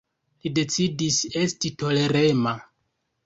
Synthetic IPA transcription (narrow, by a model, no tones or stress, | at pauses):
lide̞t͡sidise̞stito̞le̞ɾe̞ma